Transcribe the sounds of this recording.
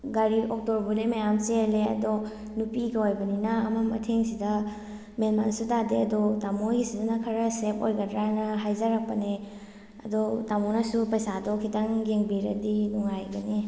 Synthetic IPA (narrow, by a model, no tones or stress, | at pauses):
ɡaɾiɔk̚tɔɾbunemajamt͡ʃeɾleɐ̰dɔ | nupiɡaojbɐninɐːmamɐ̰tʰeŋsidɐ | menmansutadeɐdɔtamojɡisidɐnɐkʰɐɾɐsepo̰jɡɐdɾaajnɐɦajzaɾak̚pɐne | ɐ̰dɔtamonasupɐjsadɔkʰitaŋɡeŋbiɾɐ̰dinuŋajɡɐne